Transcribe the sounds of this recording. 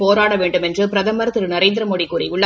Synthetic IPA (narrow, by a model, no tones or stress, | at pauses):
poːɾaːɽɐʋeːɳɖɯmɛndrɯpɪɾɐðɐmɐɾɐt̪ːɯɾɯnɐɾeːnd̪ɪɾɐmoːɽikːuːɾɐʊɭːɐ